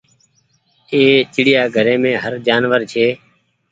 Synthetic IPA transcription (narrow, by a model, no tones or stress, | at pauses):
eːt͡ʃɪɽɪjaːɡʱəɾẽːmẽːɦəɾd͡ʒaːnʋəɾt͡ʃʰeː